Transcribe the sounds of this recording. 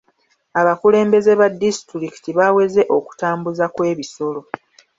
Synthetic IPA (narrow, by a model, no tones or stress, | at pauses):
aβakule̞ːmbe̞ze̞βadːistɾiki̥tiβawe̞ze̞ʔo̞ku̥taːmbuzakwe̞ːβiso̞lo̞